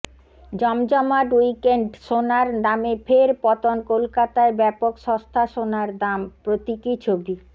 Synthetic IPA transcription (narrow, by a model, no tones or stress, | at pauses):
d͡ʑɔmd͡ʑɔmaɖwuijkeɳɖʃonaɾnamefʰeɾpɔt̪onkolkat̪aebɛpokʃɔ̃st̪ʰaʃonaɾd̪ampɾot̪ikit͡ɕʰobi